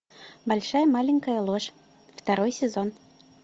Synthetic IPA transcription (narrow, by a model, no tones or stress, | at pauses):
balʲʂajɐmalʲɪnʲkɐjɐlˠɔʂ | ft̪aɾɔjsʲɪzɔn